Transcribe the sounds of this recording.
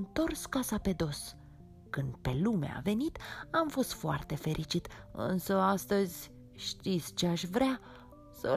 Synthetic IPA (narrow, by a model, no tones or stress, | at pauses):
nt̪o̞rskasape̞d̪o̞s | kɨnd̪̚pe̞lumḛa̰ve̞nit̪amfo̞st̪foa̰rt̪e̞fe̞ɾʔit͡ʃit̪ɨ̰nsəast̪əzʲ | ʃt̪it̪sʲt͡ʃeaʃvɾea | sə̰